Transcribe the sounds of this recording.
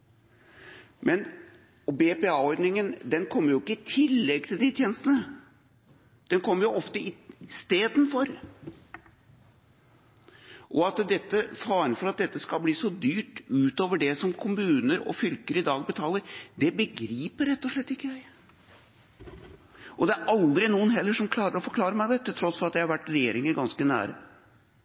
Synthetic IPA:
mʔɛn | ɔbepeɑːɔɾd̪nɪŋənd̪ɛnkʰɔmːəɾjʊɪkːəɪt̪ʰɪlːɛɡ̚t̪ʰɪld̪it̪ʰjeːnəst̪ənə | d̪̥ɛnkʰɔmːəɾjʊʔɔft̪əɪst̪eːd̪nfɔɾ | ʔɔɑt̪d̪ɛt̪ːəfɑːɾənfɔɾɑt̪̚d̪ɛt̪ːəskɑlbliːsɔd̪yːʈʉːt̪oːʋəɖɛsɔmkʰʊmʉːnəɾɔ̰fʏlkəɾəɪd̪ɑːɡ̚bət̪ʰɑːlːəɾd̪ɛbəɡɾiːpəɾːɛt̪ːɔʂɭɛt̪ːɪkːəjæɪ | ʔɔd̪ɛæɾʔɑld̪ɾɪnuːənɦɛlːəʂɔmkʰlɑːɾəɾɔfɔɾkʰlɑːɾəmæɪd̪ɛt̪ːət̪ʰɾɔsfɔɾɑt̪djɛæɪhɑɾʋæʈːɾɛjeːɾɪŋəɾɡɑnskənæ̰ːɾə̰

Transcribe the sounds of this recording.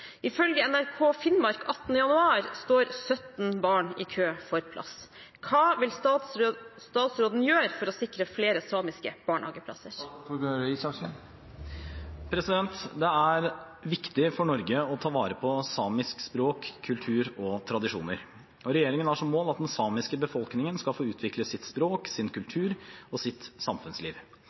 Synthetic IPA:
ʔɪfœlɡəɛnæɾkʰoːfɪnmɑɾkʰɑt̪nəjɑnʉɑːɾst̪oːɾsœt̪n̩bɑːɳɪːkʰøːfɔɾpʰlʔɑ̰s | kʰɑːʋɪl | st̪ɑːt̪sɾoːd̪n̩jøːɾfɔɾɔsɪkɾəfleːɾəsɑːmɪskə̰b̥ɑːɳhɑ̰ːɡəpʰlɑ̰səɾøɾəisɑksn | pʰɾɛsɪd̪ɛnt̪d̪ɛæɾ | ʋɪkt̪ɪfɔɳɔɾɡəɔt̪ʰɑːʋɑːɾəpʰɔsɑːmɪskspɾoːkʰːʉlt̪ʰʉːɾɔt̪ʰɾɑd̪ɪʂuːnəɾ | ɔɾɛjeːɾɪŋənæʂɔmːoːlɑt̪̚d̪ɛnsɑːmɪskəbəfɔlknɪŋənskɑlfoːʉːt̪ʰʋɪkləsɪt̪spɾoːksɪnkʰʉlt̪ʰʉːɾɔsɪt̪sɑmfʉnslḭːʋ

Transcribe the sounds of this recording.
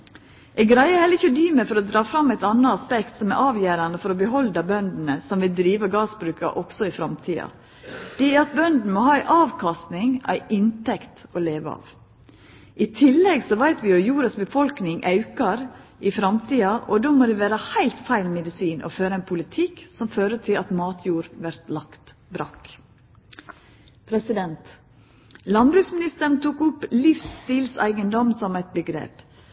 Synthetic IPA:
ʔɛɪɡɾæɪəhɛləɾɪçːəɔd̪yːməfɔɾɔd̪ɾɑːfɾɑmːæɪt̪ɑnːɑɑspɛkt̪sɔmɛʔɑːʋjæːɾɑnəfɔɾɔbəɦɔld̪ɑbœnd̪n̩əsɔmʋɪld̪ɾiːʋəɡɑːsbɾʉːkɑ̰ʔɔksɔɪfɾɑmt̪ʰiːɑ̰ | d̪̥ɛæɾɑt̪̚bœnd̪n̩mɔhɑːæɪʔɑːʋkʰɑst̪nɪŋæ̰ɪʔɪnt̪ɛkt̪ɔleːʋəɑ̰ːʋ | ʔɪt̪ʰɪlːɛɡsɔʋæɪt̪ʋɪɔjuːɾɑsbəfɔlknɪŋʔɑʉkɑɾ | ʔɪfɾɑmt̪iːɑʔɔd̪oːmoːd̪ɛʋæːɾəhæɪlt̪fæɪlmɛd̪ɪsiːnʔɔ̰føːɾəɛnpʰʊlɪt̪ʰɪksɔmføːɾət̪ʰɪlɑt̪mɑːt̪ʰjuːɾʋæɾt̪lɑkt̪ | bɾɑ̰k | pʰɾɛsɪd̪ɛnt̪ | lɑnbɾʉːksmɪnɪst̪əɾɳ̩t̪ʰuːkʊpːlɪfst̪iːlsæ̰ɪɡənd̪ɔmsɔmæɪt̪̚bəɡɾḛːp

